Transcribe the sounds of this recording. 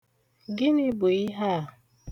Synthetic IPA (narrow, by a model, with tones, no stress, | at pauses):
ɡɪ˦nɪ˦bo˨i˦ɦa˦˨